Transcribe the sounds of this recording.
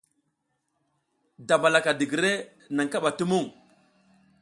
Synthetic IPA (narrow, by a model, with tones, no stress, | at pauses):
da˨ba˨la˨ka˨di˨ɡi˨ɾe˦ | na˨ŋka˦ɓa˨tu˦mu˦˨ŋ